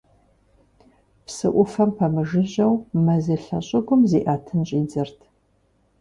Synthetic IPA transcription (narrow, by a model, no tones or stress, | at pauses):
psɨʔʷʊfɐmpʰɐmɨʒɨʑɐwmɐziɬɐ̰ɕʼɪɡʷʊmzeːʔaːtʰɨnɕʼiːd͡zɐrtʰ